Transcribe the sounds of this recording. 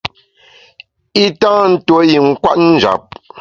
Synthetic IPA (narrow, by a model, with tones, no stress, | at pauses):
i˦tãː˦n̩˦two˦ji˨ŋ̩˦kwa̰˦t̚n̩˦d͡ʒa̰˨p̚